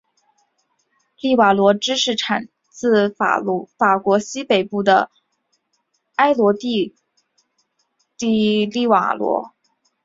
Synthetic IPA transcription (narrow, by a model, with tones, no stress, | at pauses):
li˥˩wa˨˩lwɔ˧˥ʈ͡ʂɻ̩˥ʂɻ̩˥˩ʈ͡ʂʰa˨˩n | t͡sɹ̩˥˩a̰˨˩fa˨˩kwɔ˧˥ɕi˥pe˨˩ɪpu˥˩d̪ə̰˩ | a˥ɪlwɔ˧˥t̪i˥˧ | t̪i˥˧li˥˩wa̰˨˩lwɔ̰˧˥